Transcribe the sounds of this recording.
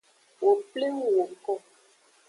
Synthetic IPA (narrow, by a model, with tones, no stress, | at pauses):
wo˨ple˦ŋ˨wo˨ʔkɔ˦